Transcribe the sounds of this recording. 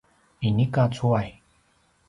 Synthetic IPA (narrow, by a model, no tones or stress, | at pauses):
inikat͡sʰuaj